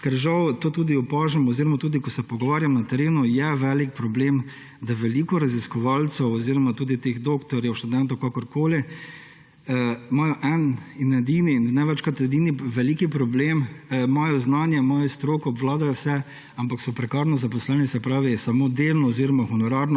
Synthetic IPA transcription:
kɛɾʒawt̪oːt̪uːd̪iɔpaːʒɛmɔziɾɔmat̪uːd̪ikɔsɛpɔɡɔʋaːɾjamnat̪ɛɾeːnujɛʋɛlikpɾɔbleːm | d̪aʋɛlikɔɾaziskɔʋalt̪sɛwɔziɾɔmat̪uːd̪it̪eɣd̪oːkt̪ɔɾjɛwʃt̪ud̪ɛnt̪ɔwkakɔɾkoːli | mɔːjɔʔɛninɛd̪ininnɛʋɛt͡ʃkɔt̪ɛd̪iːniʋɛliːkipɾɔbleːmmɔːjɔznanjɛmɔːjɔst̪ɾoːkɔːbʋlaːd̪ajɔwsɛ | ampaksɔpɾɛkaːɾnɔzapɔslɛnisɛpɾaːʋijɛsamod̪elnɔɔziɾɔmaxunɔɾaɾnɔ

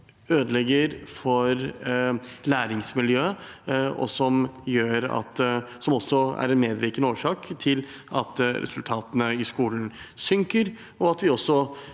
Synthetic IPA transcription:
øːd̪əlɛɡəɾfɔɾ | læːɾɪŋsmɪljøː | ɔ̰sɔmjøːɾɑ̰t̪sɔmɔsːɔæ̰ɾɛnmeːd̪ɾiːkənoːʂɑːkt̪ʰɪlʔɑ̰t̪ɾɛ̰sʉlt̪ʰɑːt̪ənəɪskuːln̩sʏŋkəɾ | ɔɑt̪ʋɪɔsːɔ

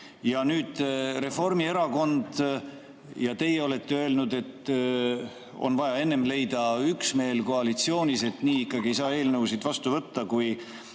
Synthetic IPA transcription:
jɑnyːd̪̥ɾe̞fo̞rmie̞ɾɑko̞nd̪̥ | jɑt̪e̞jeo̞le̞t̪ːe̞ø̞elnud̪e̞t̪ː | o̰nvɑjɑe̞nːe̞mle̞jd̪ɑyksme̞ːlko̞ɑlit̪sio̞ːnʲise̞t̪ːniːikːɑɡie̞jsɑːe̞ːlnɤwsid̪vɑst̪uvɤt̪ːɑkuj

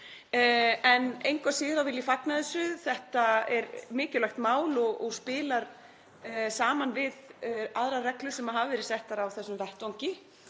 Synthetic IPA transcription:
ɛnejŋkvasɪːɾawvɪlːifaknaðɪsʏθɛht̪aɛɾmɪːcʏlaxt̪maːwlɔɣɔɣspɪːlaɾ̥ | saːmanvɪðaðɾarɛklʏ̥sɛmaɦaːvvɛɾɪ̥sɛht̪aɾawθɛsːʏmvɛht̪owɲcɪ

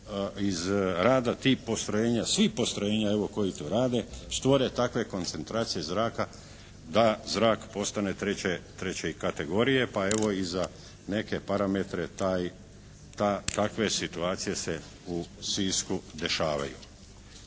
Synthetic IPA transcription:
izɾaːd̪at̪iːpo̞st̪ɾo̞jeːɲasʋipo̞st̪ɾoje̞ːɲae̞ʋo̞ko̞jit̪oːɾaːd̪e̞st̪ʋo̞ɾe̞t̪akʋe̞ko̞nt̪se̞nt̪ɾaːt̪sije̞zɾaːka | d̪azɾaːkpo̞st̪ane̞t̪ɾet͡ɕet̪ɾe̞t͡ɕeikat̪e̞ɡo̞ɾije̞pae̞ʋo̞iza | ne̞ke̞paɾame̞t̪ɾe̞t̪aːj | t̪at̪akʋe̞sit̪uaːt̪sije̞se̞ | usiːskud̪e̞ʃaːʋa̰jṵ

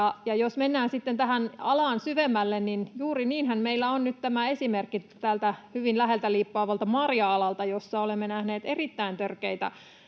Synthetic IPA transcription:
ɑjɑjosmenːæːnsit̪ːent̪æɦænɑlɑːnsyʋemːælːenninjuːriniːnhænmeilːæonnyt̪t̪æmæesimerkːit̪ælt̪æhyʋinlæɦelt̪æliːpːɑːʋɑlt̪ɑmɑrjɑɑlɑlt̪ɑjosːɑolemːenæhneːt̪erit̪ːæint̪ørkeit̪æ̰

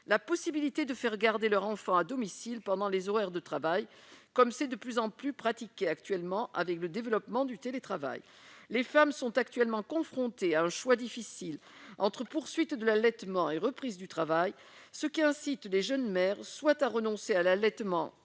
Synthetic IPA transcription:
lapɔsibilit̪ed̪əfɛʁɡaʁd̪elœʁɑ̃fɑ̃ad̪ɔmisilpɑ̃d̪ɑ̃lezɔʁɛʁd̪ət̪χavajkɔmsɛd̪əplyzɑ̃plypχat̪ikʲeakt̪ɥɛlmɑ̃ʔa̰vɛkləd̪evəlɔpmɑ̃d̪yt̪elet̪χava̰j | lefamsɔ̃t̪ak̚t̪ɥɛlmɑ̃kɔ̃fχɔ̃t̪eaɛ̃ʃwad̪ifisil | ɑ̃t̪χəpuʁsɥit̪d̪əlalɛt̪mɑ̃eʁəpχizd̪yt̪χavaj | səkʲiɛ̃sit̪leʒœnmɛʁswat̪aʁənɔ̃sealalɛt̪mɑ̰̃

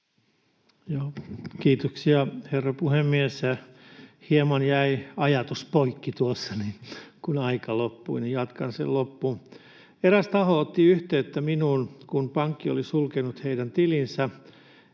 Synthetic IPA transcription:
joːkiːt̪oksiɑherːɑpuhemːiesjæhiemɑnjæiɑjɑt̪uspoikːit̪uosːɑninkunɑikɑlopːuinijɑt̪kɑnsḛllopːu | eɾæst̪ɑhoot̪ːiyht̪eːet̪ːæminuːnkunpɑŋkːio̰lisulkenut̪heidænt̪ilinsæ

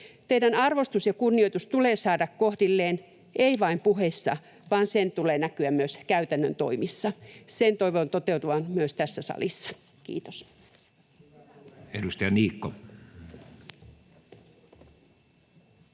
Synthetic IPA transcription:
t̪eidænɑrʋost̪usjɑkunːioit̪ust̪uleːsɑːdɑkkohdilːeːn | ʔeiʋɑimpuhesːɑ̰ | ʋɑːnsent̪uleːnækyæmmyøskæyt̪ænːø̰nt̪o̞̰imisːɑsent̪oiʋont̪ot̪euwt̪uʋɑnmyøst̪æsːæsɑ̰lisːɑ̥ | kḭːt̪os | edust̪ɑjɑniːkːo

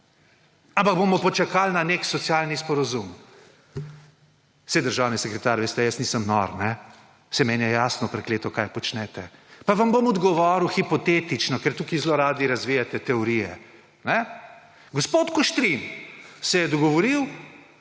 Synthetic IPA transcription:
ampaɡ̚bomɔpɔt͡ʃakalnaneksɔt̪sjaːlnispɔɾazum | sɛd̪əɾʒaːwnisɛkɾɛt̪aːɾʋeːst̪ɛjəsniːsəmnɔ̰ɾnɛ | sɛmɛːnjɛjaːsnɔpɾɛkleːt̪ɔkajpɔt͡ʃnɛt̪ɛpaʋɐmbomɔd̪ɡɔʋɔːɾuxipɔt̪eːt̪it͡ʃnɔkɛɾt̪uːkizloɾaːd̪iɾɐzʋijat̪ɛt̪ɛɔɾijɛ | nɛ | ɡɔspoːt̪kɔʃt̪ɾinsɛjɛd̪ɔɡɔʋɔɾiw

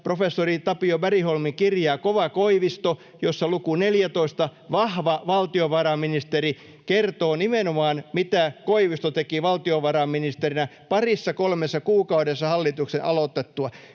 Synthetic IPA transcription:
profesːorit̪ɑpiobæriholmiŋkirjɑːkoʋɑkoiʋist̪o | josːɑlukuneljæt̪oist̪ɑʋɑhʋɑʋɑlt̪ioʋɑrɑminist̪eri | kert̪oːnimenomɑːnmit̪ækoiʋist̪ot̪ekiʋɑlt̪ioʋɑrɑmminist̪erinæpɑrisːɑkolmesːɑkuːkɑudesːɑhɑlːit̪uksenʔɑlot̪et̪ːuɑ

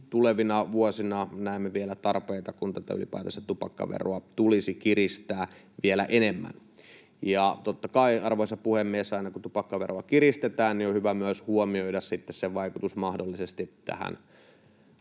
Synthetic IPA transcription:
t̪uleʋinɑʋuosinɑnæˑemːeʋielæt̪ɑrpeːt̪ɑkunt̪æt̪æy̰lḭpæ̰it̪ɑst̪ɑ̥t̪upɑ̰kːɑ̰ʋḛroɑt̪ulisikiɾist̪æː | ʋielæʔenemːæ̰n | jɑt̪ot̪ːɑkɑiɑrʋoisɑpuhemːiesːɑinɑkut̪upɑkːɑʋeroɑkirist̪et̪æːnniohyʋæmyæshuomioidɑssit̪ːesseʋɑikut̪usmɑhdolːisest̪it̪æ̰hæ̰n

